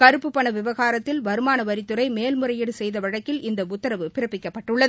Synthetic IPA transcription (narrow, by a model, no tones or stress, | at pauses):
kɐɾɯpːɯpːɐɳɐʋɪʋɐɣaːɾɐt̪ːɪlʋɐɾɯmaːnɐʋɐɾɪt̪ːɯɾɐɪmeːlmɯɾɐjɪɽɯsɛjðɐʋɐɻɐkːɪlɪnd̪ɐʊt̪ːɐɾɐʋɯpɪɾɐpːɪkːɐpːɐʈːɯɭːɐðɯ